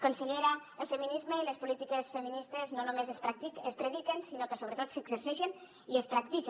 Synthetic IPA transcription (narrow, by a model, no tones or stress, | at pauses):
konseʎeɾaelˠfəminizmeiləspulit̪ikesfəminist̪eznonumezespɾat̪iəspɾeðikensinokəsoβɾət̪ot̪səɡzəɾsiʃen | iespɾak̚t̪ik